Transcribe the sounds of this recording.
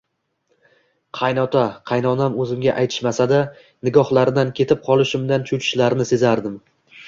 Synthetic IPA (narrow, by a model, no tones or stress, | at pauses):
qʰɑjnɒt̪ʰaqʰɑjnɒnamɵzɪmɡʲaʔajt̪ʰɪ̥ʃmasad̪a | nɪɡʲɒhlˠaɾɪd̪ankʲʰe̞t̪ʰɪp̚qʰɒlˠɪʃɪmd̪ant͡ʃʰʊt͡ʃʰɪ̥ʃlaɾnɪse̞zaɾd̪ɪm